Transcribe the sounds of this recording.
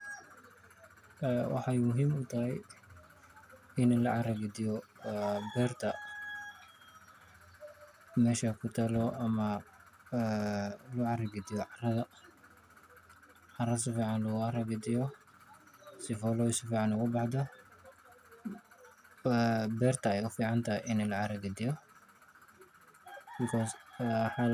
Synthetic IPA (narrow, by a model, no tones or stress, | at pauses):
ɛwʔɑ̰ħɑjmʊɦiːmʊt̪ʰɐɦɛj | ɪnlɐʕɑɾɐɡɪd̪ɪjɔ | bɛːrt̪ʰɐ | mɛːʃakʰʊt̪ʰɐlɔʔɐmɐ | lʊʕɑrɐɡɪd̪ɪjɔʕɑrɐðɐ | ʕɑrɐsɪfiːʕɑnlʊɣʊɑrɐɡɐd̪ɪjɔ | sɪfɔlɔɪsɪfiːʕɑnʊɣʊbɑħd̪ɐ | bɛːrt̪ʰɐɛjʊfiːʕɑnt̪ʰaɪʔɪnɛlɐʕɑɾɐɡɐd̪ɪjɔ | bɪkʰɔːsħa